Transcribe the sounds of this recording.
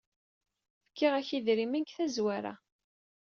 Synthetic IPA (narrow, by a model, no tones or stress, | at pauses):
fə̥kːɪʁæçiðɾimænkθæzwæɾæ̰